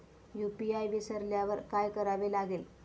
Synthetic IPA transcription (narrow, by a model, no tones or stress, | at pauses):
jupiajʋisɐɾljaʋɐɾkaːjkɐɾaʋelaɡil